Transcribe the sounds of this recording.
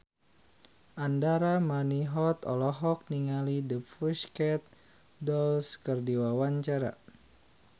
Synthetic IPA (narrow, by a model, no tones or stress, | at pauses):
ʔandaɾamaniɦɔt̪ɔ̰lɔɦɔk̚niŋalidəpfuskɛt̪̚ | dɔlskərdiwawaɲt͡ʃaɾa̰